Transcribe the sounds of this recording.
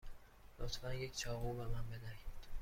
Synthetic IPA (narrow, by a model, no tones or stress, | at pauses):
lot̪ʰfænjecʰt͡ʃʰɒːɣubæmæmbenækid̪̥